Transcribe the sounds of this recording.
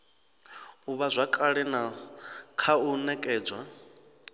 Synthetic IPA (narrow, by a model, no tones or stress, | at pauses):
uβazʷakʼaɺɛnakʰaunɛkʼɛːd͡zʷwa